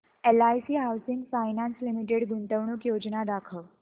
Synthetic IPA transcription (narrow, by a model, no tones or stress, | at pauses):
elajsiːɦawsiŋɡfajnanslimiʈ̬eɽɡunt̪əʋɳukjod͡ʑnad̪akʰəʋ